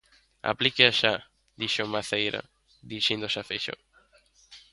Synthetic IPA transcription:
a̰plikeaʃa | d̪iʃomaθejɾa̰ | d̪iiʃẽnd̪oʃafeʃo̰

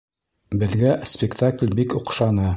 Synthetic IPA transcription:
bɘ̆ðɡæspʲɪkt̪aklʲbikŏqʃɑnɤ

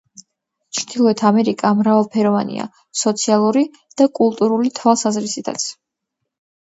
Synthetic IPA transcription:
t͡ʃʰɾd̪̥ilˠɔɛt̪ʰamɛɾikʼamɾavalˠpʰɛɾɔvanḭa̰ | sɔt̪sʰialˠuɾi | d̪̥akʼulˠt̪ʼuɾulit̪ʰwalˠsazɾisit̪ʰa̰t̪sʰ

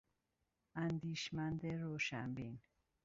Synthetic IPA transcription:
ænd̪iːʃmænd̪eɾoːʃæ̰mbin

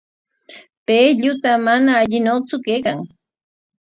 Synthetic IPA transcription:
peːʎʊt̪amanaːʎɪnot͡sʊkejkaŋ

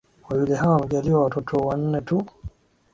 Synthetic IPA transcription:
wawilɛɦawaamɛʄaliwawatɔtʰɔwan̩nɛtu

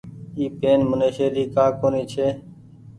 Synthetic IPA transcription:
iːpeːnmʊneːʃeːliːkaːkoːniːt͡ʃʰeː

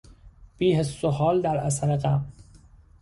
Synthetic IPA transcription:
b̥iːhesːoɦɒːld̪æɾæsæɾeqæm

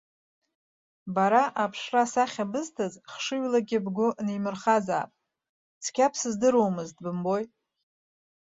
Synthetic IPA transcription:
baɾaʔapʰʂrasaχʲabɨztʰazχʂɨɥlaɡʲɪbɡʷʊnemɨrχaza̰ːpʼ | t͡sʰkʲʰapʰsɨzdɨɾowmɨztʼbɨmbo̞j

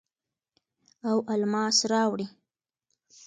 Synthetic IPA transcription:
awʔalmɑsɾɑwɽi

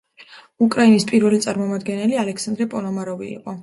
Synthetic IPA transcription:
ukʼɾainispʼiɾvɛlit̪sʼaɾmɔmad̪ɡɛnɛlialɛkʰsand̪ɾɛpʼɔlɔmaɾɔvḭːqʼɔ

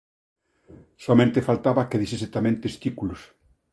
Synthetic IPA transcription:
soamẽnt̪efalt̪aβakeðiseset̪amẽnt̪est̪ikulos

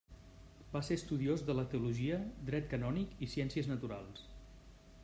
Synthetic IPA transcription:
baseəst̪uðiozðələt̪əuluʒiəd̪ɾɛt̪̚kənɔnikisiɛnsiəznət̪uɾa̰lˠs

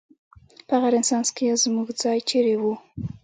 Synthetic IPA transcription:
pəaɣaɾɪnsɑnskejazmuɡd͡zɑjt͡ʃeɾewu

